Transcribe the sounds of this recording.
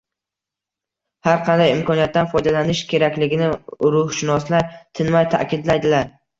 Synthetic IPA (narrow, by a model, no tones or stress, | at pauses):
haɾqʰɑnd̪ajɪmkʰɒnijat̪ːanfɒjd̪alanɪʃkʲʰe̞ɾakʲlɪɡʲɪnɪɾʊhʃɪnɒslaɾt̪ʰɪnmajt̪ʰa̰kʲɪd̪lajd̪ɪlaɾ